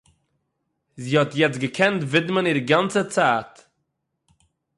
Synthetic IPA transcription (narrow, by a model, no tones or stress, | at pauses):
ziːhɔtjɛt͡sɡəkʰɛntvɪdmənɪɾɡant͡sət͡saːt